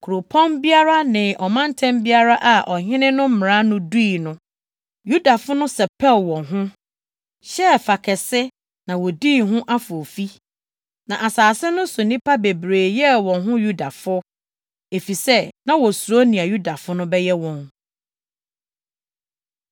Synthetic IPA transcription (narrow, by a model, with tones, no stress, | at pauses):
kʰu˨ɾo˨pʰɔ̃˦nbi˦a˦ɾa˦nɪ̃˨ʔɔ˨mã˦n˦tʰɛ̃˦mbi˦a˦ɾa˦ʔa˨ʔɔ˨ɦɪ̃˦nɪ̃˦nʊ̃˦m̩˦m˨ɾã˦nʊ̃˦duː˦˨nʊ̃˦ | ju˦da˨fʊ˦nʊ̃˦sɛ˨pʰɛ˦˨lwɔ̃˨nɦʊ̃˦ | ɕɛ˦fa˨kʰɛ˨sɪ˦ | nã˨wɔ˨di˦˨ɦʊ̃˦ʔa˦fʊ˨o˨fi˦ | nã˨ʔa˨saː˨sɛ˦nʊ̃˦so˨nĩ˦pʰa˦be˨bɾeː˨jɛ˦˨wɔ̃˨nɦʊ̃˦ju˦da˨fʊ˦ | e˨fi˨sɛ˦nã˦wɔ˨su˨o˦nĩ˨a˨ju˦da˨fʊ˦nʊ̃˦bɛ˦jɛ˦wɔ̃˨n